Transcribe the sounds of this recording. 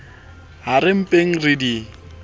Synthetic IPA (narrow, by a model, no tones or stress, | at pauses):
ɦarɪm̩pʼeŋ̩rɪdi